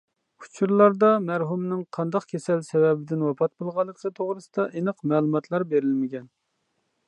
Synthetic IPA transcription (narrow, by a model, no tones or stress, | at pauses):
u̥t͡ʃʰuɾlˠɑɾd̪ɑmæɾɦumnɪŋqʰɑnd̪ɑqkʲʰesɛlsɛwɛbɪd̪ɪnwɑpʰɑt̪̚bolˠʁɑlˠːəqʰət̪ʰoʁɾɨsɨd̪ɑʔenɨqmɛːlˠumɑt̪ʰlˠɑɾbeɾɪlmɪɡʲɛn